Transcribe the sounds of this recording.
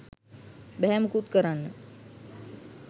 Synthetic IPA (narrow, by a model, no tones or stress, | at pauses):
bɛɦɛməkut̪̚kəɾanːə